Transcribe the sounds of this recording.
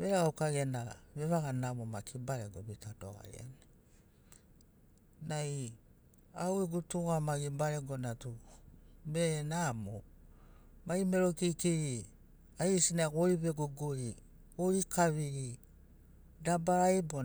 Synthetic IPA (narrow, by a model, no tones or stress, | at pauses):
βeɾaɡaukaɡianaβe̞βaɡanamomakʰibaɾeɡoβitato̰ɡa̰j̰a̰ne | naj | awiɡutuɡamaɡibaɾeɡonatu | benamo | maime̞ɾokikiɾi | aisinaɡoɾiβe̞ɡoɡoɾi | oikaβiɾi | dabaɾajbo